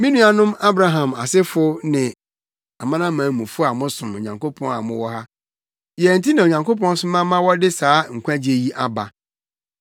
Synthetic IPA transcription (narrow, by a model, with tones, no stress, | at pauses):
mĩ˦nũ˦a˨nʊ̃˦ma˦bɾa˦ɦã˨ma˨sɪ˦fʊ˦nɪ̃˨ | a˨mã˦nã˦mãː˨˦mũ˨fʊ˦a˨mʊ̃˦sʊ̃˨no̰˨ɲã˨ŋko˦pʰɔ̃˦na˨mʊ̃˦wɔ˦ɦa˦ | jɛ˨n̩˨ti˦nã˨o˨ɲã˨ŋko˦pɔ̃˦n˦sʊ˦mã˦mã˦wɔ˦dɪ˦saː˨˦ŋ̩˨kʷʰã˦d͡ʑe˦ji˦ʔa˨ba˨